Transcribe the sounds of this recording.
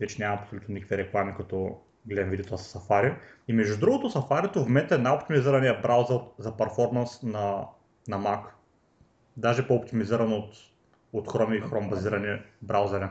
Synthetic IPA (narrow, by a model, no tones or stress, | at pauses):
vɛt͡ʃɛnʲamɐɐpsolʲut̪nonikvʲiɾɛklˠamikɐt̪ɔ | ɡlɛnvid̪iot̪asɛ̥sɐfaɾi | imɛʒd̪ud̪ɾuɡot̪osɐfaɾʲit̪ovmɛt̪ɛnaopt̪imiziɾɐnijɐbɾawzəɾzɐpɐɾfɔɾmɐnsnɐ | nɐmak | d̪aʒɛpoːpt̪imiziɾɐnot̪ | ot̪xɾɔmixɾɔmbɐziɾɐnibɾawzɛɾi